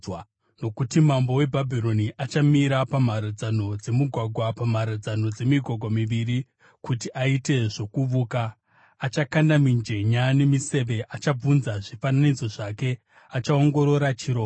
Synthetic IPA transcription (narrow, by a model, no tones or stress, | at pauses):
no̞kutimambo̞we̞bʱabʱiɾo̞niʔat͡ʃamiɾapamaɾad͡zano̞d͡ze̞muɡʱwaɡʱwapamaɾad͡zano̞d͡ze̞miɡʱwaɡʱwamiʋiɾi | kutiʔaite̞ʐo̞kuʋukaː | t͡ʃakandamind͡ʒe̞ɲane̞mise̞ʋe̞ʔat͡ʃab͡vunzaʐifananid͡zo̞ʐake̞ | at͡ʃao̞ŋɡo̞ɾo̞ɾat͡ʃiɾo̞ː